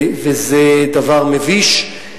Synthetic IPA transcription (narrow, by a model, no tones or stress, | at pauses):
vezɛd̪avaʁmeviʃ